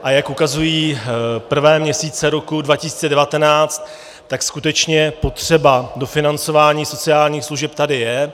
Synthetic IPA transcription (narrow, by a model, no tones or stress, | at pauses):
ʔajakʔukazujiːpr̩vɛːmɲɛsiːt͡sɛɾo̞kudvacɪsi̥ːt͡sɛdɛvat̪ɛnaːt͡st̪ː | akskut̪ɛt͡ʃɲɛpo̞t̪r̝̥ɛbado̞fɪnant͡so̞vaːɲiːso̞t͡sɪaːlɲiːxsluʒɛp̚t̪adɪjɛ